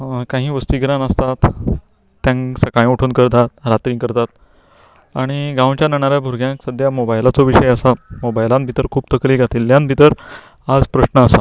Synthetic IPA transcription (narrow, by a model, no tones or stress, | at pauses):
kaɦĩːʋəst̪iːɡɾãnəst̪at̪ː | jãŋsəkaɭ̃uʈʰuːnkəɾt̪at̪̚ɾat̪ɾĩːŋkəɾt̪at̪̚ | aɽ̃iɡãwt͡ɕjanaɳ̃aɾjabʱuɾɡʱjãksəd̪ʱjamobajlat͡soʋiɕəjəsamobajlãnbʱit̪əɾkʰuːbt̪əkliːkat̪iːlːjãnbʱit̪əɾ | ad͡zpɾəɕnəəsa